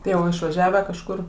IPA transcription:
ˈtɐɪ jɛʊ ɪʃʋɐˈʒʲæːʋʲæː kɐʃˈkʊr

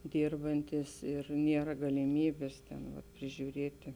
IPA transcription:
ˈdʲiːrbɐnʲtʲiːs ɪr ˈnʲiɛrɐ ɡɐlʲɪˈmʲiːbʲeːs ˈtʲɛn ʋɐt pʲrʲɪʒʲuːˈrʲeːtʲɪ

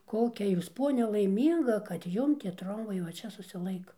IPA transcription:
ˈkoːkʲɛ ˈjuːs ˈpoːnʲɛ lˠɐɪˈmʲiːŋɡɐ kɐt ˈjʊm tʲiɛ ˈtroːmbɐɪ ʋɐ ˈt͡ʃʲɛ sʊsʲɪˈlˠɐɪkɐ

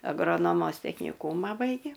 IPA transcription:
ɐɡroːˈnoːmoːs tʲɛknʲɪˈkuːmɐ ˈbɐɪɡʲeː

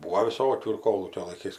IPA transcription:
ˈbuːoː ʋʲɪˈsoːkʲuː ɪr ˈkoːlˠuːkʲoː lˠɐɪˈkɐɪs

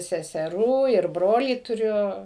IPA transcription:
sʲɛsʲɛˈruː ɪr ˈbroːlʲiː tʊˈrʲʊ

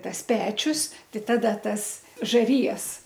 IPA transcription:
ˈtɐs ˈpʲæːt͡ʃʲʊs ˈtɐɪ ˈtɑːdɐ ˈtɐs ʒɐˈrʲɪjɛs

